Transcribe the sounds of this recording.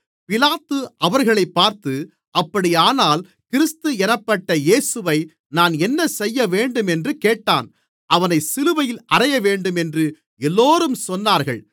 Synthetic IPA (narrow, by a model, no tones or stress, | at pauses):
pɪlaːt̪ɯʔɐʋɐɾɣɐɭɐɪpːaːɾt̪ɯ | ʔɐpːɐɽɪjaːnaːl | kɪɾɪst̪ɯɛnɐpːɐʈːɐjeːsɯʋɐɪ | naːnɛnːɐsɛjːɐʋeːɳɖɯmɛndrɯkeːʈːaːn | ʔɐʋɐnɐɪsɪlɯʋɐjɪlʔɐrɐjɐʋeːɳɖɯmɛndrɯ | ɛlːoːɾɯmsɔnːaːɾɣɐ̰ɭ